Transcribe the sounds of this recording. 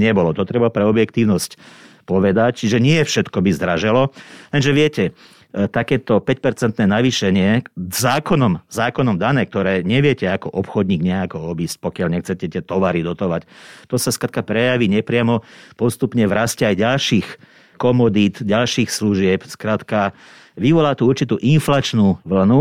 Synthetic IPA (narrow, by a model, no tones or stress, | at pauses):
ɲɛbɔlɔt̪ɔt̪ɾɛbapɾɛɔbjɛkt̪iːʊnɔscpɔʋɛd̪act͡ʃʒɛɲɪɛfʃɛt̪kɔbizd̪ɾaʒɛlɔlɛnʒɛʋɪɛcɛ | t̪akɛːt̪ɔpɛc̚pɛɾt͡sɛnt̪nɛːnaʋiːʃɛɲɪɛzaːkɔnɔmzaːkɔnɔmd̪anɛːk̚t̪ɔɾɛːɲɛʋɪɛcɛakɔʔɔpxɔd̪ɲiːɡɲɛakɔɔbiːsc̚pɔkɪalɲɛxt͡sɛcɛt̪ɛt̪ɔʋaɾid̪ɔt̪ɔʋact̪ɔsaskɾaːt̪̚kapɾɛjaʋiːɲɛpɾɪamɔpɔst̪upɲɛʋɾascɛajɟalʃiːx | kɔmɔd̪iːt̪ɟalʃiːxsluʒɪɛpskɾaːt̪ka | ʋiʋɔlaːt̪uuɾt͡ʃit̪uːʔinflat͡ʃnuːʋl̩nu